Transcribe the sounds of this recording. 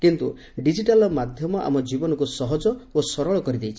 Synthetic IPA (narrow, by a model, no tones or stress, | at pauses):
kint̪ṵ | ɖid͡ʒiʈalɔmad̪ʱjɔmɔʔa̰mɔd͡ʒibɔnɔkusɔɦɔd͡ʒɔosɔɾɔɭɔkɔɾid̪ejt͡ʃʰi̥